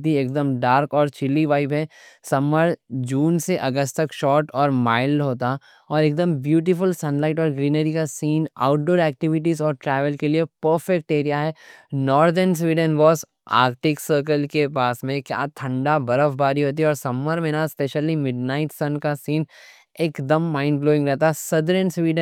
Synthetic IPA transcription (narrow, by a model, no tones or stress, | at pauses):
t̪ieːk̚d̪əmɖaːɾkɔːɾt͡ʃɪlːiʋaːɪbɦɛ | sɐmːəɾd͡ʒuːnseʔɐɡəst̪ɐkʃɔːɾʈɔːɾmaːɪlɦoːt̪a | ɔːɾeːk̚d̪əmbjuːʈɪfʊlsɐ̃nlaːɪʈɔːɾɡɾiːnəɾikasiːna̰ʊʈ̚ɖoːɾɛːk̚ʈɪʋɪʈ̬izɔːɾʈɾɛːʋəlkeliepəːɾfek̚ʈeːɾijaɦɛːnɔːɾd̪əɾns̬ʋiːɖənʋɔːz | a̰ːkʈɪksəːɾk̬əlkepaːsmẽkja̰ːt̪ʰɐ̃ɳɖabɐɾəfbaːɾiɦoːt̪̬iɦɛɔːɾsɐməɾmẽːnaspeːʃəlimɪɖnaːɪʈsɐ̃nkasiːn | eːkd̪ɐmːaːɪ̃nbloːɪ̃ŋɡɾɛɦt̪aɦɛsɐd̪əɾənsʋiːɖə̃